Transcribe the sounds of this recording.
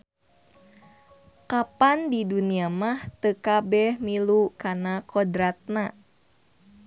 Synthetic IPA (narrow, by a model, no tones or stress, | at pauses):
kapandiduniamaht̪əkabɛhmilukanakodɾat̪̚na